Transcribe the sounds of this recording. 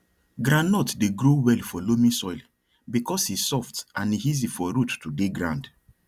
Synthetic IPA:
ɡɾãnnɔtdeɡɾowɛlfɔlomĩsɔjl | bikʰɔshissɔftʔãnihizifɔɾutːudeɡɾã̰nd

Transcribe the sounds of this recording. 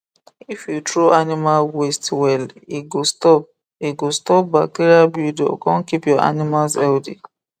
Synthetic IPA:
ifjutɾoanimalwestwɛliɡostɔp̚ | eɡostɔp̚bateɾiabudo̰kɔ̃n̩kipjɔʔa̰nimalsɛldḭ

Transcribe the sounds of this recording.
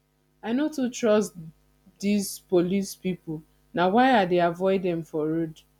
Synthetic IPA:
aɪnotutɹɔst | dizpolispipʊl | nawaɪadeavɔɪdɛ̃mfɔɾud

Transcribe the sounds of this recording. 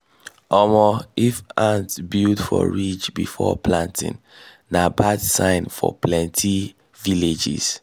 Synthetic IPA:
ɔmɔifãntbildfɔ̰ɹit͡ʃbifɔ̰plãntḭ̃nː | abadsãɪ̃nfɔ̰plɛ̃ntʰi | viled͡ʒḭz̥

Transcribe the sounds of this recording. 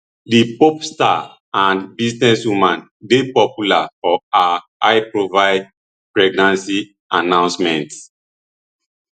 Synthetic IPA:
dipopsta̰ | ãnbisnɛswumãn | depɔpjulafɔa | aɪpɹovaɪd̚ | pɹɛɡnãnsi | anãʊ̃nsmɛ̃nt

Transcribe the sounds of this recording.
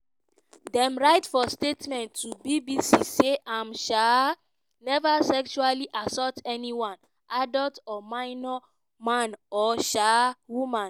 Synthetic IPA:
dɛ̃mɹaɪtfɔstetmɛ̃ntːubibisiseʔãmʃa | nɛvasɛkʃualiʔasɔtɛniwãn | adɔltɔmãɪnɔ | mãnɔʃawumãn

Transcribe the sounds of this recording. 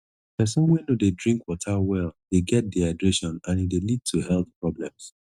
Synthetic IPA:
pɛsɔ̃mwɛnodedɹĩŋkwɔtʰawɛlˠd̥eɡɛt̚diaɪdɹeʃɔ̃nãnidelid̚tʰuhɛltpɹɔblɛ̃ms

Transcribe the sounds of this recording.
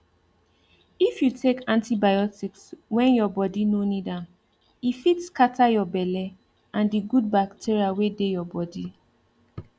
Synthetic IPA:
ifjutʰekãntibajɔtikswɛ̃njɔbɔdinonidãm | ifitskatajɔbɛlɛ | ãndiɡud̚baktʰiɹiawedejɔbɔdi

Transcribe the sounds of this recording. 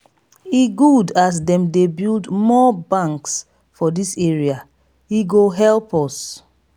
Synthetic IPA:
iɡudas̬dɛ̃mdebildmɔbãŋks | fɔdiseɹia | iɡoɦɛlˠpɔs

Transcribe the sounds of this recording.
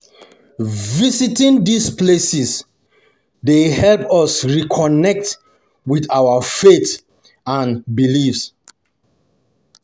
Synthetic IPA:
visitĩndisplesis | dehɛlpɔsɹikʰɔnɛk̚t | wiðawafet | ãnbilifs

